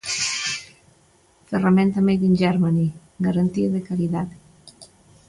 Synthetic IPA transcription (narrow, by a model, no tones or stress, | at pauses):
ferament̪amejðinʲd͡ʒɛɾmani | ɡaɾant̪iaðekaɾiðat̪